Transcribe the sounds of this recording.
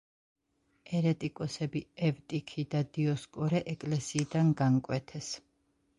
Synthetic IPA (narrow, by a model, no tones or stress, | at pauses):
ɛɾɛt̪ʼikʼɔsɛbiɛvt̪ʼikʰid̪ad̪iɔskʼɔɾɛʔɛkʼlɛsiːd̪anɡankʼwɛt̪ʰɛs